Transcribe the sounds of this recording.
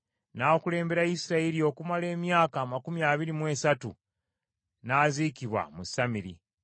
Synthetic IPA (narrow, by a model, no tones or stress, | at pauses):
naokule̞ːmbe̞ɾaisiɾaelio̞kumale̞ːmjaːkaːmakumiaːβiɾimwe̞ːsatu | naːziːkiβwa̰musamiɾḭ